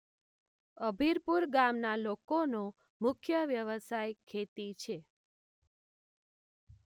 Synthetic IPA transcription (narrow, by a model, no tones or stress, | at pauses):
əbʱiɾpuɾɡamnalokonõ | mʊkʰjəʋjəʋəsajkʰːet̪it͡ʃʰe